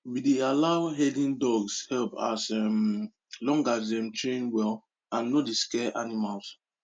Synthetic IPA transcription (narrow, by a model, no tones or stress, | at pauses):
widealaʊɦɛdĩndɔɡshɛlpa̰sɛm | lɔ̃ŋɡazdɛ̃mtɹẽnwɛl | ãnːodiskɛʔanimals